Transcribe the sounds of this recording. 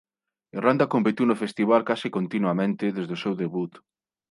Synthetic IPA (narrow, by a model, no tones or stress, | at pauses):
erand̪akompet̪iwnofest̪iβalkasɪkont̪inwamẽnt̪ɪðezðosewðeβut̪